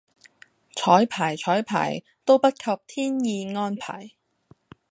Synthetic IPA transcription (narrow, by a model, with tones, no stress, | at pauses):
t͡ʃʰɔː˨˥jpʰaː˨˩jt͡ʃʰɔː˨˥jpʰa̰ː˨˩j | t̪o˥wpɐ˥t̚kʰɐ˨˧p̚t̪ʰiː˥njiː˧ŋɔː˥npʰa̰ː˨˩j